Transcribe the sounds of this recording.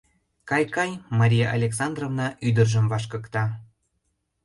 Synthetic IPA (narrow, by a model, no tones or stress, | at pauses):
kɑjkɑjmɑɾʲijɑʔɑlʲeksɑnd̪rovnɑʔyd̪ərʒəmvɑʃkɤkt̪ɑ